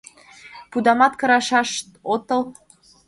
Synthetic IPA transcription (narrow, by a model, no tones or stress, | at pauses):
pud̪ɑmɑt̪kɤ̆ɾɑʃɑʃt̪ot̪ɤ̆lˠ